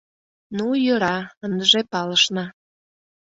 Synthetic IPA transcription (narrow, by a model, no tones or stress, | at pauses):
nujəɾɑənd̪əʒepɑləʃnɑ